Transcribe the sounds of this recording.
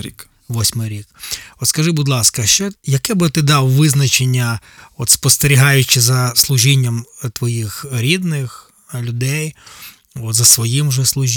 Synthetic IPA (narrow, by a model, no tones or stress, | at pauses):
i | ʋɔsʲmɪjɾʲikɔt̪skɐʒɪbʊd̪lˠɑskɐʃt͡ʃɛjɐkɛbɪt̪ɪd̪ɑwʋɪznɐt͡ʃenʲːɐɔt̪spɔst̪eɾʲiɦɑjʊt͡ʃɪzɐslˠʊʒinʲːɐmt̪ʋɔjixɾʲid̪nɪx | lʲʊd̪ɛj | ɔt̪zɐsʋɔjimʒɛslˠʊʒ